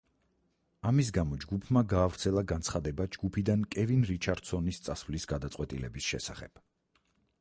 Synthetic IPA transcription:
amis̬ɡamɔd͡ʒɡupʰmaɡaːvɾt̪sʰɛlˠaɡant̪sʰχad̪ɛbad͡ʒɡupʰid̪ankʼɛvinɾit͡ʃʰaɾd̪̥sɔnist̪sʼasvlisɡ̥ad̪at̪sʼqʼwɛt̪ʼḭlɛbisʃɛ̰saχɛb̥

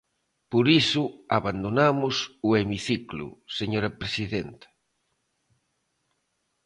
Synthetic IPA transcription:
poɾisʊaβand̪onamʊsʊemiθiklʊ̰seɲoɾapɾesiðent̪ɐ̥

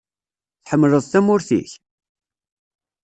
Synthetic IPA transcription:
θħəmːləðˤθæmʊɾθḭç

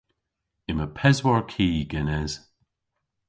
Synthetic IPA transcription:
ɪməpʰɛzwɔɹkʰiːɡɛnɛz̥

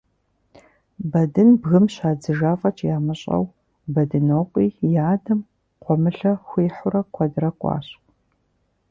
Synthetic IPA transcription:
bɐdɨnbɣɨmɕaːd͡zɨʒaːfʼɐt͡ʃʰjaːmɨɕʼɐ̰w | bɐdɨnoːqʷʼiːjaːdɐm | qʷʰɔmɨɬɐxʷeːħʊɾɐkʷʰɐdɨɾɐkʷʼɑ̰ːɕ

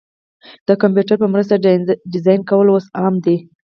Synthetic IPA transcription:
d̪̥əkampjuʈaɾpəmɾəs̬t̪aɖɪzɑjnkawəlwosɑmd̪e

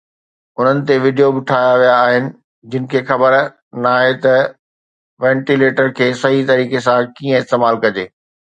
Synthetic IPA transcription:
ʊn̤ənɪ̆t̪̬eʋɪɖijobɪʈʰaːjaʋijaːɦɪnɪ̆ | d͡ʑɪnɪ̆kʰeːxɐbəɾ | naːɦet̪ɐ | ʋɛ̃ːɳʈileːʈəɾkʰeːsɐɦit̪ɐɾiːkesãkiːə̃ɪst̪eːmaːlkɐd͡ʑeː

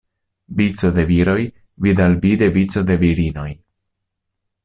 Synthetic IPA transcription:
vit͡so̞d̪e̞viɾo̞j | vid̪alvid̪e̞vit͡so̞d̪e̞viɾino̞j

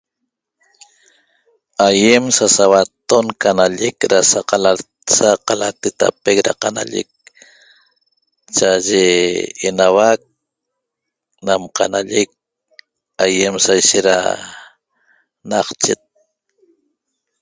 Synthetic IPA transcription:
ajemsasawat̪ːonkanaʎekɾasaqɑlaɾ | saqalat̪et̪a̰pekɾa̰qana̰ʎḛk̚ | t͡ʃaaʒeːnawak̚ | namqɑ̰naʎek̚ | ajemsajʃet̪ɾa̰ | naqt͡ʃet̪̚

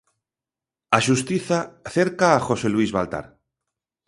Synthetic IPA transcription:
aʃust̪iθaθeɾkaːxoseluizβa̰lt̪a̰ɾ

